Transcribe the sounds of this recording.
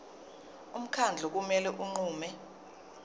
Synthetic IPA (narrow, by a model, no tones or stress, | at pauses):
um̩kʰand͡ɮʱɔk̬umɛlɛʔuŋ͡ǃuːmɛ